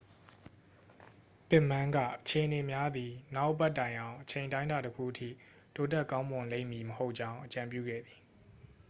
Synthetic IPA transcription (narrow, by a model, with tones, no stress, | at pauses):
t̪ɪ˦˨mã˦ŋɡä̰˦˨ʔət͡ɕʰe˨ʔəne˨mja˦d̪i˨na˦ʊʔbɛ˦ʔtːã˨ɪ̃ʔã˨ʊ̃ʔət͡ɕʰẽ˨ntã˦ɪ̃nda˨təkʰṵ˦˨ʔətʰḭ˦˨ | to˦tɛ˦˨kã˦ʊ̃mʊ̃˨lḛ̃˦ɪ̃˨mːi˨məho˦ʊʔ̚t͡ɕã˦ʊ̃ʔət͡ɕã˨mpjṵ˦˨ɡɛ̰˦˨d̪i˨